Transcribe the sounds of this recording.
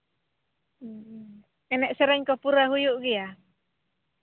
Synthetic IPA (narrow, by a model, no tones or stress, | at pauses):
ɛnɛʔsɛɾɛɲkɔpuɾaɦujuʔɡia